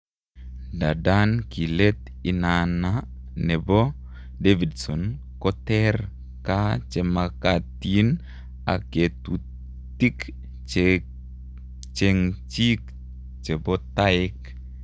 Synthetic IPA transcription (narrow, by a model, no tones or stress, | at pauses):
dadankilɛt̪inana | nɛbɔ | devidsɔn | kɔt̪ɛr | kat͡ʃɛmakat̪in | a̰ket̪u | t̪ik | t͡ʃɛŋt͡ʃik | t͡ʃɛbɔt̪aik